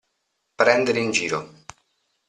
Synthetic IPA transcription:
pɾɛnd̪eɾeind͡ʒiːɾo̰

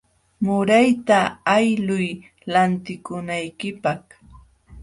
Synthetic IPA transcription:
mʊɾajt̪aːjlʊj | lant̪ɪkʊnajkɪpɑχ

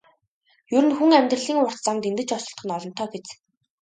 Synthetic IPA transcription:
jɵɾɘ̆nxuŋæmʲt̪rə̆ɮiːŋʊr̥t̪t͡samt̪ent̪ɘ̆t͡ɕɔsɞ̆ɬt̪χə̆nɔɮɞ̆n̥t̪ʰœːɡet͡s

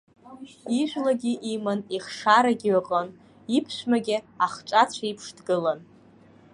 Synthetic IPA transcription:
iʒʷᶣlaɡʲiʔimaniχʂaɾaɡʲiɥaqʼən | ipʰʃʷᶣmaɡʲiaχt͡ʃʷʼat͡ɕʷʰaipʰʂdɡɨlan

